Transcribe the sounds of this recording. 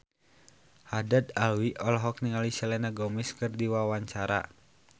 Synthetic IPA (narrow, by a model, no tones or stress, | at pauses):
hadad̪alwiʔɔlɔɦɔk̚niŋalisɛlɛnaɡɔmiskɨrdiwawaɲt͡ʃaɾa̰